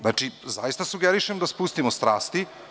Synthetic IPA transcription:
aːt͡ʃizajist̪asuɡeɾiʃemd̪aspust̪imost̪ɾaːst̪i

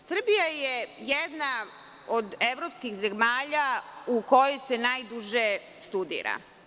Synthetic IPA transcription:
sr̩bijajejed̪na | od̪eʋɾopskixzemaːʎauko̞jojsenajd̪uʒe | st̪ud̪ḭːɾa̰

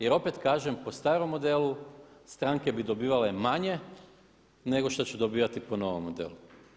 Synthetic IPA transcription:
jeɾo̞pet̪kaːʒempost̪aːɾo̞mːo̞d̪elust̪ɾaŋke̞bid̪o̞biːʋale̞maɲe̞ | ne̞ɡo̞ʃt̪ot͡ɕud̪obiːʋat̪ipo̞no̞ʋo̰mːod̪ḛlu

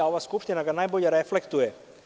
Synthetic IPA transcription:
aoʋaskupʃt̪inaɡanajboʎeɾɛflekt̪ujɛ

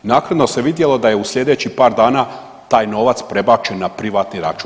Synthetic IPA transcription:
naːkɾad̪no̞se̞ʋid̪je̞lo̞d̪aje̞usʎʲe̞d̪e̞t͡ɕipaːɾd̪aːna | t̪aːjno̞ʋat̪spɾe̞bat͡ʃenːapɾiʋaːt̪niɾat͡ʃu

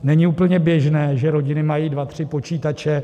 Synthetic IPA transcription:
nɛɲɪuːpl̩ɲɛbjɛʒnɛːʒɛɾo̞ɟɪnɪmajiːdvat̪r̝̥ɪpo̞t͡ʃiːt̪at͡ʃɛ

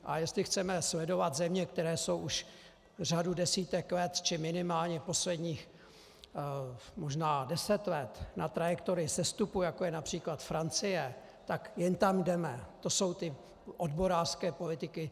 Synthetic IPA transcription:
ʔajɛst̪lɪxt͡sɛmɛslɛdo̞vad̪zɛmɲɛkt̪ɛɾɛːso̞wʔuʃ | r̝adudɛsiːt̪ɛklɛt̪t͡ʃɪmɪnɪmaːlɲɛpo̞slɛdɲiːx | moʒnaːdɛsɛt̪lɛt̪nat̪ɾajɛkt̪oɾɪsɛst̪upujakojɛnapr̝̥iːklat̪fɾant͡sɪjɛ | t̪akjɛnt̪amdɛmɛt̪o̞so̞wt̪ɪ | ʔodbo̞ɾaːrskɛːpo̞lɪt̪ɪkɪ

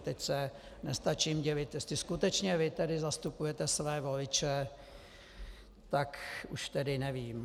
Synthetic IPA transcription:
t̪ɛcsɛ | nɛst̪at͡ʃiːmɟɪvɪt̪jsɪskut̪ɛt͡ʃɲɛvɪt̪ɛdɪzast̪upujɛt̪ɛsvɛːvolɪt͡ʃɛ | t̪akuʃt̪ɛdɪnɛviːm

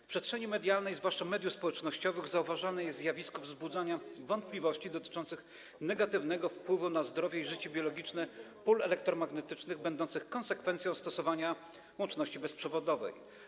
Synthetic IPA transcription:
fpʂɛst̪ʂɛɲimɛd̪jalnɛjzvwaʂt͡ʂamɛd̪jufspɔwɛt͡ʂnɔɕt͡ɕɔvɘɣzauvaʐanɛjɛst̪zjavʲiskɔvzbud̪zaɲavɔnt̪̚plʲivɔɕt͡ɕid̪ɔt̪ɘ̥t͡ʂɔnt̪sɘx | nɛɡat̪ɘvnɛɡɔfpwɘvunazd̪ɾɔvʲjɛiʐɘt͡ɕɛbʲjɔlɔɡʲit͡ʂnɛ | pulɛlɛk̚t̪ɾɔmaɡnɛt̪ɘt͡ʂnɘɣbɛnd̪ɔnt̪sɘxkɔnsɛkfɛnt̪sʲjɔ̃w̃st̪ɔsɔvaɲa | wɔnt͡ʂnɔɕt͡ɕibɛspʂɛvɔd̪ɔvɛ̰j

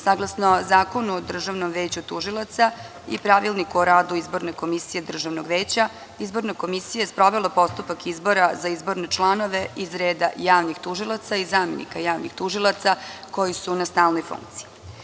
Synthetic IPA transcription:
saɡlˠasnozaːko̞nuod̪r̩ʒaʋnomʋeːt͡ɕut̪uʒilˠat̪sa | ḭpɾaʋilˠnikuoɾaːd̪uizbo̞ɾne̞ko̞misije̞d̪r̩ʒaʋnoɡʋeːt͡ɕa | izbo̞ɾnako̞misijaespɾo̞ʋelˠapo̞st̪upakizbo̞ɾazaizbo̞ɾne̞t͡ʃlˠano̞ʋe̞ʔizɾeːd̪ajaːʋnixt̪uʒilˠat̪saizaːmḛnḭkajaːʋnixt̪uʒilˠat̪sako̞jisunast̪aːlˠno̞jfṵŋk̚t̪sii

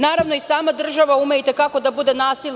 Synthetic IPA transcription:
naːɾaʋno̞isaːmad̪r̩ʒaʋaumeit̪ekako̞d̪abud̪e̞naːsil

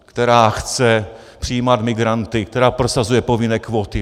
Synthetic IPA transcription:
kt̪ɛɾaːxt͡sɛ | pr̥iiːmad̪mɪɡɾant̪ɪkt̪ɛɾaːpɾosazujɛpovɪnɛːkvoːt̪ɪ

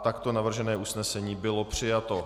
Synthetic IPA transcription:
t̪akt̪o̞navr̩ʒɛnɛːʔusnɛsɛɲiːbɪlo̞pr̝̥ɪjat̪o̞

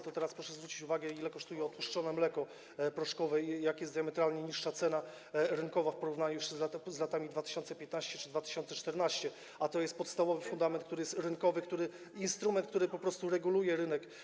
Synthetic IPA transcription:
t̪ɔt̪ɛɾaspɾɔʂɛzvɾut͡ɕit͡ɕuvaɡɛilɛkɔʂt̪ujɛɔt̪puʂt͡ʂɔnɛmlɛkɔ | pɾɔʂkɔvɛjakjɛsd̪jamɛt̪ɾalɲɛɲiʂʂat̪sɛna | ɾɘŋkɔvafpɔɾuvnaɲujuʂzlat̪zlat̪amʲid̪vat̪ɘ̥ɕɔnt̪sɛpʲjɛt̪naɕt͡ɕɛt͡ʂɘd̪vat̪ɘ̥ɕɔnt̪sɛt͡ʂt̪ɛɾnaɕt͡ɕɛ | at̪ɔjɛst̪pɔt̪st̪avɔvɘfund̪amɛnt̪kt̪uɾɘjɛst̪ɾɘnkɔvɘkt̪uɾɘ | inst̪ɾumɛnt̪kt̪uɾɘpɔpɾɔst̪uɾɛɡulujɛɾɘnɛk

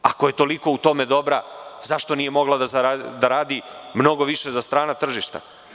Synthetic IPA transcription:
akoje̞t̪o̞liko̞ut̪o̞me̞d̪o̞bɾaz̥aʃt̪o̞nije̞mo̞ɡlad̪azaad̪aɾaːd̪imno̞ɡo̞ʋiʃe̞zast̪ɾaːnat̪r̩ʒiʃt̪a̰

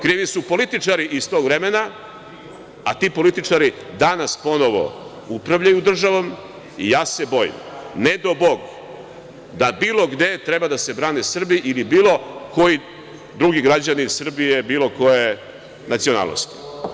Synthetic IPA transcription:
kɾiːʋisupo̞lit̪it͡ʂaɾiʔist̪o̞ɡvɾe̞mena | at̪iːpo̞lit̪it͡ʂaɾid̪anaspo̞no̞ʋo̞̰ | upɾaʋʎajud̪r̩ʒaʋo̞m | ijaːse̞bo̞jḭmne̞d̪o̞bo̞ɡ | d̪abiːlˠo̞ɡd̪e̞t̪ɾe̞bad̪ase̞bɾaːnesr̩biʔilibiːlˠo̞ko̞ji | d̪ɾuɡiɡɾad͡ʑanisr̩bije̞biːlˠo̞ko̞je | nat̪sio̞na̰ːlno̰st̪i̥

